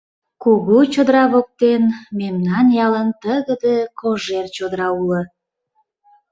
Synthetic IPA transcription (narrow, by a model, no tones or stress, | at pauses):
kuɣut͡ɕod̪ɾɑβok̚t̪enmemnɑnjɑlənt̪əɣəd̪əkoʒert͡ɕod̪ɾɑulə